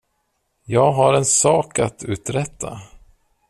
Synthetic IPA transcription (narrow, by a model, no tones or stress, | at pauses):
jɑːɡɦaɾɛnsɑːkat̪ʰʉ̟ːt̪ɾɛt̪ʰːa̰